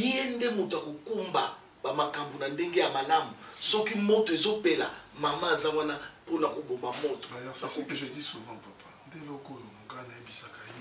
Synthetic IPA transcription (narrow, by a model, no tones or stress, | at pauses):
endemotoakokumba | bamakambonandeŋɡejamalamusɔkimotoezopela̰mamaazawanaponakobombamoto̥ajɔsakeʒedisuvãpapʰandelokojoɡanajebisakaje